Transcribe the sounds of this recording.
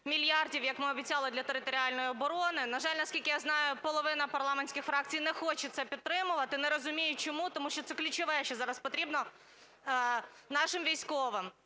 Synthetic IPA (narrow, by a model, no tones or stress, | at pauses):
mʲilʲjɑrdʲiwjɐkmɪɔbʲit͡sʲɑlˠɪd̪lʲɐt̪eɾɪt̪ɔɾʲiɑlʲnɔjiɔbɔɾɔnɪnɐʒɑlʲnɐskʲilʲkɪjaznɑjʊpɔlˠɔʋɪnɐpɐrlˠɑmnʲsʲkɪxfɾɑk̚t͡sʲijnɛxɔt͡ʃɛt̪sɛpʲid̪̚t̪ɾɪmʊʋɐt̪ɪnɛɾɔzʊmʲijʊt͡ʃɔmut̪ɔmuʃt͡ʃɔt̪sɛklʲʊt͡ʃɪʋɛʃt͡ʃɛzɑɾɐspɔt̪ɾʲibnɔ | nɑʃɪmʋʲijsʲkɔʋɪm